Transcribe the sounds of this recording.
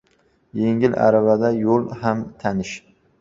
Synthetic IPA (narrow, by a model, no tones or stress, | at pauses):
jeŋɪla̰ɾavad̪ajolˠhamt̪ʰanɪʃ